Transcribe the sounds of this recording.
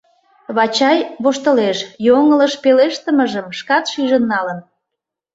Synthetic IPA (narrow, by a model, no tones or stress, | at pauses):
βɑt͡ɕɑjβoʃt̪ə̆leʃjoŋələʃpeleʃt̪ə̆məʒəmʃkɑt̪ʃyʒə̆nːɑlən